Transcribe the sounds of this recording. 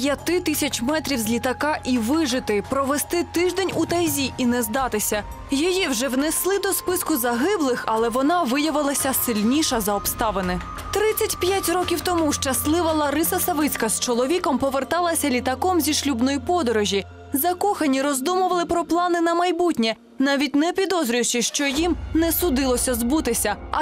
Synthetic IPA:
pjɐt̪ɪt̪isʲɐt͡ʃmɛt̪ɾʲiwzʲlʲit̪ɐkɑʔiʋɪʒɪt̪ɪpɾɔʋest̪ɪt̪ɪʒd̪ɛnʲut̪ɐjzʲiʔinɛzd̪ɑt̪ɪsʲɐ | jɔjiwʒɛwneslˠɪd̪ɔspɪskʊzɐɦɪblˠɪxɐlˠɛʋɔnɑʋɪjɐʋɪlˠɐsʲɐsɪlʲnʲiʃɐzɐɔpst̪ɑʋenɪ | t̪ɾɪt͡sʲːɐtʲpjatʲrɔkʲiwt̪ɔmuʃt͡ʃɐslˠɪʋɐlˠɐɾɪsɐsɐʋɪt͡sʲkɐst͡ʃɔlˠɔʋʲikɔmpɔʋert̪ɑlˠɐsʲɐlʲit̪ɐkɔmzʲiʃlʲubnɔjipɔd̪ɔɾɔʒʲi | zɐkɔxɐnʲiɾɔzd̪umʊʋɐlˠɪpɾɔplˠɑnɪnɐmɐjbutʲnʲɛ | nɑʋʲit̚ʲnɛpʲid̪ɔzɾʲijt͡ʃɪʃt͡ʃɔjimnɛsʊd̪ɪlˠɔsʲɐzbut̪ɪsʲɐ

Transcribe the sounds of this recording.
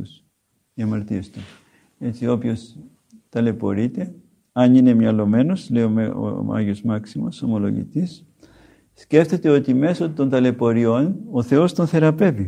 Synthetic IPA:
us | iɐmɐɾt̪iest̪u | e̞t͡sio̞pço̞s | t̪ɐle̞po̞̰ɾit̪e̞ | ɐnine̞mɲɐlo̞me̞no̞slejoo̰ɐ̰ʝozmɐksimo̰so̞mo̞lo̞̰ʝḭt̪is | sce̞ft̪e̞t̪e̞o̞t̪ime̞sot̪o̞nt̪ɐle̞po̞ɾio̞no̞θe̞o̞st̪o̞nθe̞ɾɐpe̞vi

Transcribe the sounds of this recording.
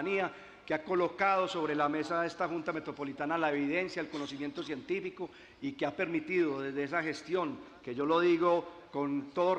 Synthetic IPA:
nia | keako̞lo̞kað̞o̞so̞βɾe̞lame̞saðest̪axunt̪amet̪ɾo̞po̞lit̪analae̞βiðe̞nsjaelko̞no̞s̬imje̞nt̪o̞sje̞nt̪ifiko̞ | ikeape̞ɾmit̪iðo̞ðe̞zd̪eesaxe̞st̪jo̞ŋ | ke̞ʝo̞lo̞ðiɣo̞ | kont̪o̞ðo

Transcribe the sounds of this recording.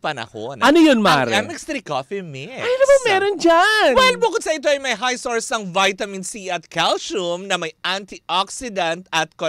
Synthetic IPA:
pɐnɐ̰ho̰nɐnojonma̰ŋːɾɛmɪkst̪ɾikofimɪd̪ɐbamɛːɾond͡ʒanwhɪlbʊkʊd̪sɐʔit̪̬oʔɐjmɐjɦajsoɹsnɐŋvajt̪ɐmɪnsiʔɐt̪kʰalʃumnɐmɐjʔant̪iʔaksɪd̪ɐnt̪ɐt̪̚ko

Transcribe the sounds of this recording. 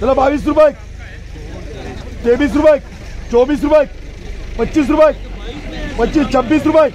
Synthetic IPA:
t̪alabaʋiːs̬ɾupajik̚ | t̪ebiːs̬ɾupajk | t͡sobiːs̬ɾupajik̚pətːɕiːs̬ɾupajk̚ | pətːɕiːst͡ɕʰəbːiːsɾupajk

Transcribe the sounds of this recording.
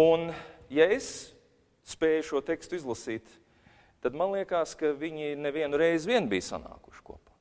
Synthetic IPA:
unjaes | spɛːjuʃuɔt̪ɛkst̪izlˠɐsiːt̪ | t̪ad̪manlˠiɛkaːskaviɲinɛviɛnuɾɛjzʋiɛnbijsa̰na̰ːku̥ʃkṵɔpaː

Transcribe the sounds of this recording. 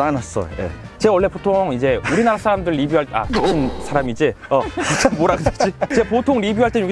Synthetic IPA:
anas͈ʌ̰jo̰jḛ | t͡ɕe̞ʌɭːe̞potʰoŋid͡ʑe̞uɾinaɾasʰaɾamdɯɭɾibjuɦaɭa̰t͡ɕoinsʰaɾamid͡ʑeʌput͡ɕʰamoɾaɡɯat͡ɕ͈it͡ɕe̞potʰoŋɾibjuɦaɭt͈enjoɡi

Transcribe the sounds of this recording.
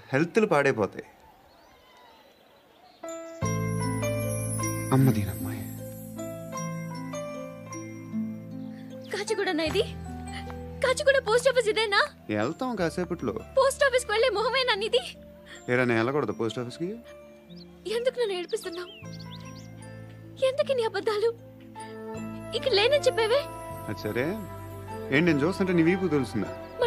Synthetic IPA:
helt̪ulupaːɽeːpɔːt̪a̰j | ɐmːɐd̪iːnɐmːaj | kaːt͡ʃiɡuːɽɐnaid̪i | kaːt͡ʃiɡuːɽapoːsʈaːpʰis̬id̪eːnaː | ɛ̰lt̪ɐːkaːseːpuʈlo̰ːpoːsʈaːpʰiskiʋeɭːeːmɔɦɐmeːnɐnːid̪i | eːɾaːneːnɛlɐkɔɽɐd̪upoːsʈaːpʰiski | end̪ukuneːnueɽipist̪unːaːm | end̪ukiniɐbɐd̪ːaːlu | ikːɐleːnɐnt͡ʃɛpːeːʋeːɐtːi̥sɐɾeː | eːɳʈnend͡ʒoːst̪unɐʈ̬ːɐniʋiːp̬ut̪elusuna̰m

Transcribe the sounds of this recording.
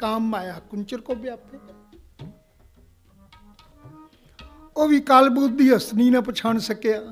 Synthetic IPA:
kaːmːaːjaːkʊnt͡ʃəɾkoːbjaːpʰe | oːʋiːkaːlbuːt̪̚d̪iːɦəsniːnãːpət͡ʃʰaːɳsəkeːaː

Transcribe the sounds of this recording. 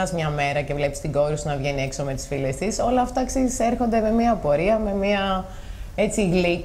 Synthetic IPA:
ɐzmɲɐme̞ɾɐce̞vle̞pist̪iɡo̞ɾusnɐvʝe̞nie̞ksome̞t̪i̥sfilest̪iso̞lɐːft̪ɐeksizise̞ɾxo̞nd̪eme̞miɐpo̞ɾiɐme̞miɐ | e̞t͡siɣli

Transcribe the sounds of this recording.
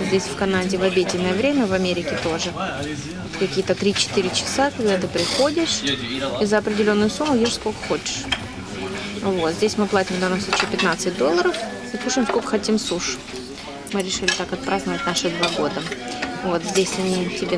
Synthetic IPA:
zʲdʲesʲfkɐnadʲɪvɐbʲedʲɪnːəjəvɾʲemʲəvɐmʲeɾʲɪkʲɪt̪o̞ʐɨ | ot̪kɐkʲijət̪ət̪ɾʲit͡ɕɪ̥t̪ɨɾʲɪt͡ɕɪ̥sakɐɡd̪at̪ɨpɾʲɪxo̞dʲɪʂizəɐpɾʲɪdʲɪlʲo̞nːʊjʊsumːʊjeʂskolʲkə̥xo̞t͡ɕɪ̥ʂ | vo̞t̪zʲdʲesʲmɨplˠatʲɪmvd̪anːəmsˠut͡ɕiːpʲɪt̪nat̪sɨt̚ʲd̪o̞lˠːəɾəf | ikuʂɨmskokə̥xɐtʲimsuʂ | mɨɾʲɪʂɨlʲɪt̪akɐt̪̚pɾaznəvət̚ʲnaʂɨd̪vaɡo̞d̪əvo̞t̪zʲdʲesʲɐnʲitʲɪbʲe

